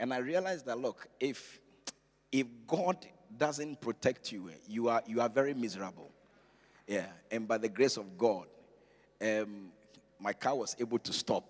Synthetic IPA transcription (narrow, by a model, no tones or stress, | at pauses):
ɨ̃naɪɹialaɪzðətˡlʊkɪf | ɪfɡɔdː | ʌzɨ̃npʰɹ̥ɔtʰɛk̚tʰjujuajuavɛɹimɪzəɹəb̰l̩ˠ | jæɨ̃nbaɪðəɡɹesɔvɡɔd | ɛm | maɪkʰawɔzebl̩ˠtʰustɔp̚